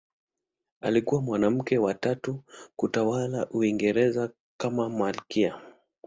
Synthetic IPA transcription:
a̰likuwamwanam̩kɛwatatukutawalaʔuiŋɡɛɾɛza | kamamalkia

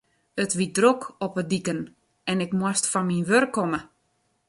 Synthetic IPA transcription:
ətʋit̚drokʰɔpədikən | ɛnɪkmwastfɔnminʋørkʰːɔmə

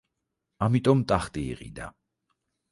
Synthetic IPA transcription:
amit̪ʼɔmt̪ʼaχt̪ʼḭːʁʼḭd̪a̰

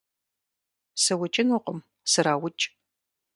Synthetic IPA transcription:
sɨwʊt͡ʃʼɪnʊqʷəm | sɨɾaːwʊt͡ʃʼ

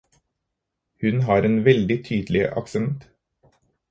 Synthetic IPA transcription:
hʉnɦɑːɾeːnʋɛld̪ɪt̪ʰyːd̪l̩ɪə̰ʔɑ̰ksɛɛnt̪

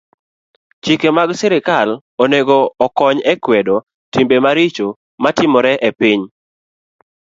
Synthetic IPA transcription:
t͡ʃikemaɡsɛɾɪkal | oneɡoːkɔɲɛkwɛdo | timbemaɾit͡ʃo | matɪmɔɾɛʔepɪɲ

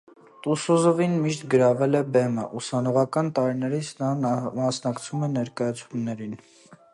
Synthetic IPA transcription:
t̪usuzɔvinmiʃt̪ɡəɾɑvɛlɛbɛməʔusɑnɔʁɑkɑnt̪ɑɾinɛɾit͡sʰnɑmɑsnɑkt͡sʰumɛnɛɾkɑjɑt͡sʰumnɛɾin

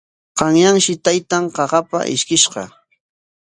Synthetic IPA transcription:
qɑŋjaŋʃɪt̪ajt̪aŋqɑɢɑpa̰ʔɪ̰ʃkɪʃqɑ̰

